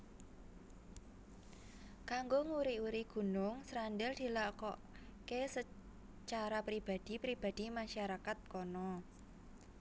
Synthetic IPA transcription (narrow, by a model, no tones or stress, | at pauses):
kaŋɡoŋuɾiuɾiɡ̥ṳnʊŋsɾanɖɛld̪̥i̤lakɔʔ | kesə | t͡ʃaɾapɾib̥a̤d̪̥i̤pɾib̥a̤d̪̥i̤maʃaɾakat̪̚kɔnɔ